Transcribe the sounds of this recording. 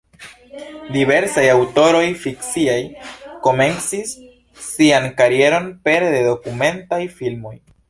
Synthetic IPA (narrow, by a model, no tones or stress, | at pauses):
dive̞ɾsajawto̞ɾo̞jfiksiajko̞me̞nt͡sisː | iankaɾie̞ɾo̞npe̞ɾdedo̞kume̞ntajfilmo̞j